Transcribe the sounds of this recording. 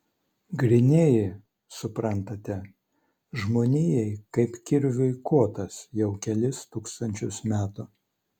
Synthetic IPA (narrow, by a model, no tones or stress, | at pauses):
ɡɾʲɪnʲeːjɪ | sʊpɾɐnt̪ɐt̪ʲɛ | ʒmoːnʲɪːjɛɪkɐɪpkʲɪɾʲʋʲʊɪkuɔt̪ɐsjɛʊkʲɛlʲɪst̪uːkst̪ɐnʲt͡ʃʲʊsmʲæːt̪ʊ